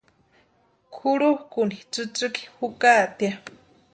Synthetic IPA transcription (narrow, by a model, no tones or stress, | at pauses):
kʰuɽuhkunit͡sɨt͡sɨki̥hukat̪ja